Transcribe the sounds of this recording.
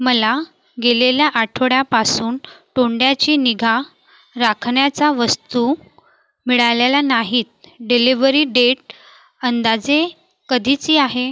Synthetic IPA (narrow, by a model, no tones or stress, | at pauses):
məla | ɡeleljaʔaʈʰoɽjapasuːnʈoɳɖjat͡ɕiːniɡʱa | ɾakʰɳjat͡saʋəst̪u | miɭalelanaɦiːt̪̚ɖiliʋəɾiːɖeʈ̚ | ənd̪ad͡ze | kəd̪ʱit͡siːaɦe